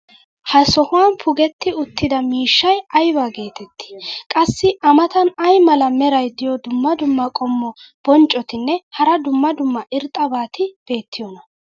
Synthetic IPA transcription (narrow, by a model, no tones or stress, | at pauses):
hɐsɔhʊwaːnpʰʊɡɛt̪ːɪʊt̪ʰːɪd̪ɐmiːʃːɐjɐjbaːɡe̞ːt̪ɛt̪ːɪ̥kʼɐsːɪʔɐmɐt̪ɐnɐjmɐlɐmɛɾɐjd̪ɪjɔd̪ʊmːɐd̪ʊmːɐkʼɔmːɔb̥ɔnt͡ʃʼːɔt̪ɪnːɛhɐɾɐd̪ʊmːɐd̪ʊmːɐʔɪɾt̪ʼɐbaːt̪ɪb̥e̞ːt̪ʰːɪjɔnɐ